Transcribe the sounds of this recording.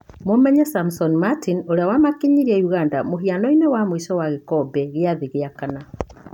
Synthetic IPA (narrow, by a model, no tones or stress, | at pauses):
momɛɲɛsamsɔnimatinoɾeawamakiɲiɾiɛuɣandamoɦianɔinewamoiʃɔwaɣekɔbɛɣeaðiɣeakana